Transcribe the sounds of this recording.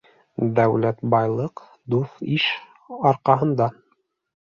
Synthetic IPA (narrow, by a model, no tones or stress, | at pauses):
d̪æwlæt̪bɑjlˠɤq | d̪ufiʃ | ɑɾqɑɦɤ̆nd̪ɑ